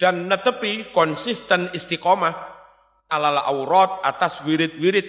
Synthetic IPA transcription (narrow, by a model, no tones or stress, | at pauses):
d̥anːət̪əpikɔnsist̪ənist̪ikɔma | ʔalalaʔawɾɔt̪̚at̪aswiɾɪt̪̚wiɾɪt̪̚